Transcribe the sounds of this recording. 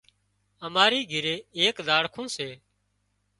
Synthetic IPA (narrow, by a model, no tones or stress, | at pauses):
əmaːɾiːɡʱɪɾeːeːkd̪aːɽkʰũːseː